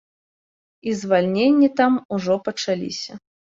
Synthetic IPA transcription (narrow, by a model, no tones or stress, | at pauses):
izvalʲnʲenʲːit̪amuʐɔpɐt͡ʂalʲḭsʲɐ